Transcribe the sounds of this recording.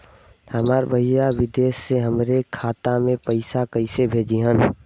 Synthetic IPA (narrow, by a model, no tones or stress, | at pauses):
həmaːɾbəɦijaʋɪd̪eːsːeɦəmɾekʰaːt̪amẽpəɪsakəɪsebʱeːd͡ʒiɦən